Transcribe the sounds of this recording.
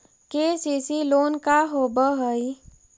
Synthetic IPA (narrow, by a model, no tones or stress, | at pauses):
kesisiloːnkaɦobəɦəi